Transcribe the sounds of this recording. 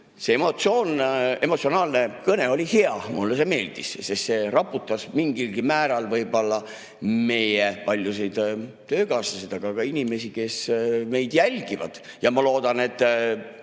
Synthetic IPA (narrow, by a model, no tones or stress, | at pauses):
seemo̞t̪sio̞ːne̞mot̪sio̞nɑːlne̞kɤne̞o̞lʲiheɑmulːes̬e̞me̞ːld̪̥ḭssest̪se̞rɑpːut̪ːˑɑsmiŋɡilɡimæːɾɑlvɤjbo̞lːɑ | me̞jepɑlʲjus̬ejd̪̥ | t̪ø̞ːkɑːsɑsid̪̥ɑɡ̥ɑɡɑinime̞sike̞sme̞jd̪̥jælʲɡ̥ivɑ̰d̪̥ | jɑmɑlo̞ːd̪̥ɑne̞t̪ˑː